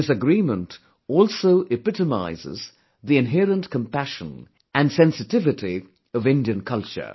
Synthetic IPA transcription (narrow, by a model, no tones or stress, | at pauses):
ɪsɨɡɹĩmə̃nt | ɔlˠsoʊʔɨpɪtəma̰ɪzɪ̰z | ðiɨ̃nɦɛɹə̃ntkʰə̃mpæʃə̰̃n | ɨ̃nsɛ̃nsɨtɪvɨti | ʌvɪ̃ndiɨ̃nkʰʌlˠt͡ʃə̰˞